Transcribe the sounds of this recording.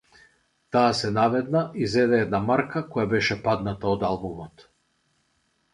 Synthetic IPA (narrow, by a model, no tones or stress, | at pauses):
t̪aːsɛnavɛd̪naʔizɛd̪ɛɛd̪namaɾkakɔjabɛʃɛpad̪nat̪aɔd̪alˠbumɔt̪